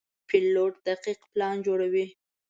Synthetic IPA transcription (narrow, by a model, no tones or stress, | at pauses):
pɪlːoʈ̚d̪̥aqiqplɑnd͡ʒoɽawi